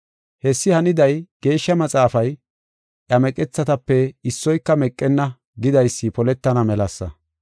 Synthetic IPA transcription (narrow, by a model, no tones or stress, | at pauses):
hɛsːɪhɐnɪd̪ɐjɡ̥e̞ːʃːɐmɐt͡sʼaːfɐj | ʔɐmɛkʼɛt͡sːɐt̪ɐpːɛɪsːɔjkːɐmɛkʼːɛnːɐ | ɡɪd̪ɐjsːɪpɔlɛt̪ːɐnɐmɛlɐsːɐ̰